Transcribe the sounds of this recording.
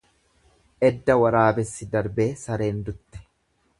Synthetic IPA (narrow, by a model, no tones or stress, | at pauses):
ʔɛd̪ːɐwɐɾaːbɛsːɪd̪ɐɾbe̞ːsɐɾe̞ːnd̪ʊt̪ːɛ̥